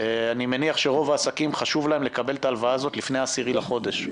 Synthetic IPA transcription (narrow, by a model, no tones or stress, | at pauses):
animeniaχʃe̞ʁo̞vaːsakimχaʃuvlae̞mlekabe̞lt̪aːlvaaːzo̞t̪lifne̞jaːsiʁilaχo̞d̪e̞ʃ